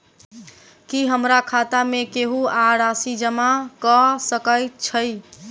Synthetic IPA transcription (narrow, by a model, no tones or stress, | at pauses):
kiɦəmɾakʰat̪amekeɦuaɾasid͡ʒəmakɔsəkəjt̪̚t͡ʃʰəɪ